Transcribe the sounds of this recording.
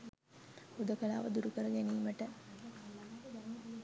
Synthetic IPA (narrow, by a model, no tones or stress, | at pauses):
hud̪əkəla̰ːʋəd̪uɾukəɾəɡæniːməʈə